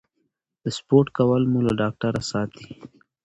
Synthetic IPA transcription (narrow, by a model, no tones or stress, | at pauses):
d̪əspoːɾʈkawalmulaɖɑːk̚ʈaɾasɑːt̪i̥